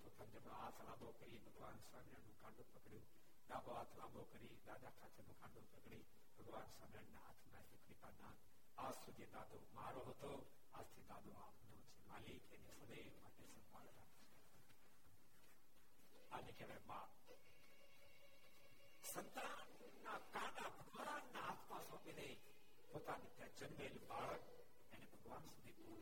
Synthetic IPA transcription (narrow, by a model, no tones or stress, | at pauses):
t̪ot̪ʰɐnd͡ʒɐbãaːt̪ʰlaːbokəɾibʱɐɡʋaːnsaːmanũːkãːɳɖõpɐkɽijũː | d̪aːd̪oaːt̪ʰlaːbokɐɾid̪aːd̪akʰaːt͡ʃʰenũːkãːɳɖopɐkɽiː | bʱɐɡʋaːnswaːmɾəɳnea̰ːt̪ʰnaːsekɾip̪aːnãː | aːzsud̪ʱed̪aːd̪omaːɾoɦɐt̪o | aːd͡ʒt̪ʰid̪aːd̪oaːpʰnot͡ʃʰema̰ːlikenesəd̪ə | maʈesɐ̃mpa̰ɭɾa̰kt͡ʃʰe | anekeʋema | sənt̪anː | akãːnabʱəɡʋanːaat̪ʰmasɔ̃ːpid̪e | poːt̪anit̪jãd͡ʒənʋelbaːɭək | enebʱəɡʋaːnsud̪ʱipo